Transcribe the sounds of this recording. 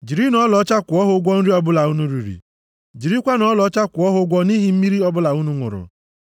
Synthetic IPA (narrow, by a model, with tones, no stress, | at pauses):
d͡ʒi˨ɾi˦nɔ˦lɔ˨˦t͡ʃa˦kʷʊ˨ɔ˦ɦʊ˦ɡʷɔ˦n̩˦ɾi˦ɔ˦bʊ˦la˨u˦nu˦ɾi˨ɾḭ˨ | d͡ʒi˨ɾi˦kʷa˦nɔ˦lɔ˦t͡ʃa˦kʷʊ˨ɔ˦ɦʊ˦ɡʷɔ˦ni˦ɦi˦m̩˦mi˦ɾi˦ɔ˦bʊ˦la˨u˦nu˦ŋʷʊ̰˨ɾʊ̰˨